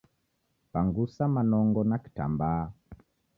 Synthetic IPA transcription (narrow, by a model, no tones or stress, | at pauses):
paŋɡusamanɔŋɡɔnaki̥ta̰mbaː